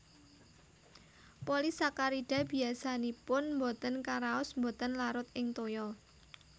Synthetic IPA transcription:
polisakaɾiɖ̥a̤b̥i̤asanipʊnmbot̪ənkaɾaʊsmbɔt̪ənlaɾʊt̪ɪŋt̪ojɔ

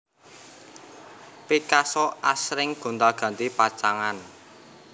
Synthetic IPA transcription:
pikasɔʔasɾɪŋɡ̥o̤nd̪aɡ̥ä̤nt̪ipḁt͡ʃaŋan

